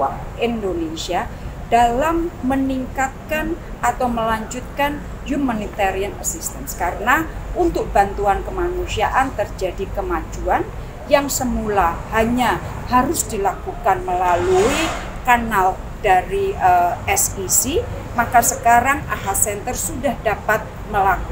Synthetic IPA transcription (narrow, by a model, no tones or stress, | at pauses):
a | indonesia | d̥alamːəniŋkat̪̚kanʔat̪awməlaɲd͡ʒut̪̚kan | humanit̪aɾiana̰sist̪ənskaɾənaʔunt̪ʊk̚b̥ant̪uankəmanusiaʔant̪ərd͡ʒadikəmad͡ʒuan | jaŋsəmulahaɲa | haɾʊsdilakukanməlalui | kanal | daɾiəɛsisi | makasəkaɾaŋʔa̰ɦasɛnt̪ərsudahdapat̪̚ | məlaku̥